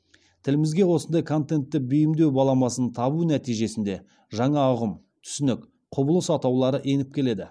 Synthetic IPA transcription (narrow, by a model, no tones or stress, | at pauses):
t̪ʰɪlɪmɪzɡʲe̞wo̞sənd̪ɑjkʰont̪e̞nt̪ːɪbʏjɪmd̪ewbɑlˠɑmɑsənt̪ʰɑbunæt̪ijʒe̞sɪnd̪e̞ | ʒɑɴɑʊʁəm | t̪ʰʏ̥sɪnɪk | qʰʊbəlˠəsɑt̪ɑwlˠɑɾəʔe̞nɪp̚kʲʰe̞le̞d̪ɪ